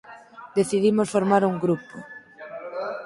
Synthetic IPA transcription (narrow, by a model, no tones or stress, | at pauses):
d̪eθiðimosfoɾmaɾuŋɡɾupo